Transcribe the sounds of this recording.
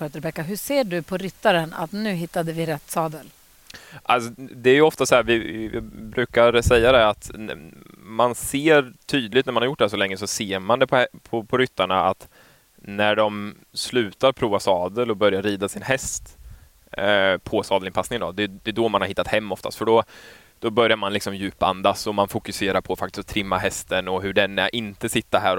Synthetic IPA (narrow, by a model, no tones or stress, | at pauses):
øt̪əɾbɛkːaɦɵseːɖɵpʰɔɾʏt̪ːaɾəna̰t̪nʉ̟ːɦɪt̪ːad̪əvɪɾɛt̪ːsɑːd̪əl | ʔalsɔd̪ɛæɾjɵɔft̪ashæːɾvɪ̰bɾʉ̟ːkaɾsɛjːad̪ɛat̪ | manseːɾt̪ʰyːd̪lɪɡt̪næɾmanhajʊʈ̚ːɖdɛsɔlɛŋːəsɔseːɾmand̪ɛpʰɔpʰɔpʰɔɾʏt̪ːaɳaa̰t̪ | næɖɔm | slʉ̟ːt̪aɾpʰɾuːvasɑːd̪əlɔbœɾjaɾːiːd̪asɪnhɛst̪ | pʰɔsɑːd̪lɪnpʰasnɪŋənd̪ɔd̪ɛd̪ɛd̪ɔmanhaɾhɪt̪ːat̪hɛmːɔft̪a̰st̪fœɖɔ | d̪̥ɔbœɾjaɾmanlɪksɔmjʉ̟ːpa̰nd̪asɔmanfʊkɵseːɾaɾpʰɔfakt̪ɪs̚t̪ʰɾɪmːaɦɛst̪ənɔɦɵɖɛnɛʔɪnt̪əsɪt̪ːaɦæːɾ